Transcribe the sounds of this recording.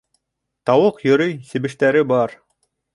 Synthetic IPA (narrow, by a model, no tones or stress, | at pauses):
t̪ɑwɤqjɵ̆ɾɵjsɘ̆bɘ̆ʃt̪æɾɘbɑɾ